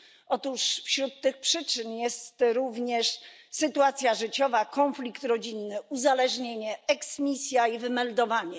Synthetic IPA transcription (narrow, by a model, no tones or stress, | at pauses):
ʔɔt̪uʂfɕɾut̪ːɘxpʂɘt͡ʂɘnjɛst̪ɾuvɲɛʂsɘt̪uat̪sʲjaʐɘt͡ɕɔvakɔnflʲikt̪ɾɔd͡ʑinːɘuzalɛʐɲeɲɛɛksmʲisʲjaivɘmɛld̪ɔvaɲɛ